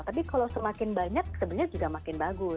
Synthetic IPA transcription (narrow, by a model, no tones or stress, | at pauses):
t̪ap̬ikalawsəmakɪnbaɲak̚səbut̪ɲad͡ʒuɡamakɪnbaɡʊ